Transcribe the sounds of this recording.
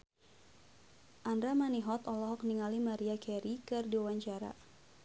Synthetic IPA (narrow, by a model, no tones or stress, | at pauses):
ʔandɾamaniɦɔt̪ɔlɔɦɔkniŋalimaɾiakɛɾikɨrdiwawaɲt͡ʃaɾa̰